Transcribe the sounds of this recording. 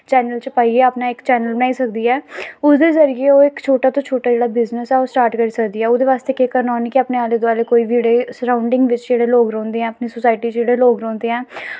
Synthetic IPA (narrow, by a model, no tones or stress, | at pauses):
t͡ʃɛːnəlt͡ʃəpaːieːapnaːɪkt͡ʃɛːnəlbənaːiːsək̚d̪iːɛːʊsd̪eːzəɾɪjeːoːɪkt͡ʃʰoːʈaːt̪õːt͡ʃʰoːʈaːd͡ʒeːɽaːbɪznəsɛːoːsʈaːɾʈkəɾiːsəkd̪iːɛːod̪eːʋaːst̪eːkeːkəɾnaːnikɪəpneːaːleːd̪oaːleːkoːiːbeːɽeːsəɾãːʊɳɖɪ̃ŋɡʋɪt͡ʃd͡ʒeːɽeːloːkɾɔ̃ːnd̪eːɛ̃ːəpniːsʊsaːɪʈiːt͡ʃd͡ʒeːɽeːloːɡɾɔ̃ːnd̪eːɛ̃ː